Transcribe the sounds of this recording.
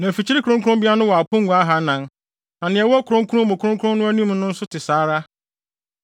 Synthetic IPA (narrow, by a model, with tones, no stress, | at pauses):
næ̃˨fi˨t͡ɕʰi˦ɾi˦kʰɾʊ̃˦ŋkʰʊ˦ɾʊ̃˦mbi˦a˦nʊ̃˦wɔ˨a˨pʊ̃˦ŋ̩˨ɡʷa˦ɦa˦nã˨n | nã˨nɪ̃˨ɛ˨wɔ˦kʰʊ˨ɾʊ̃˦ŋ˦kʰu˦ɾʊ̃˦mʊ̃˨kʰʊ̃˦ŋkʰʊ̃˦n˦nʊ̃˦æ˦nĩ˦m˦nʊ̃˦n̩˦sʊ˦tʰɪ˨saː˨˦ɾa˦